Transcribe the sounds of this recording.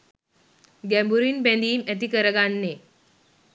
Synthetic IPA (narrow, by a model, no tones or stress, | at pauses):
ɡɛmbuɾiːnbɛ̃nd̪iːmɛt̪̬ikəɾəɡanːe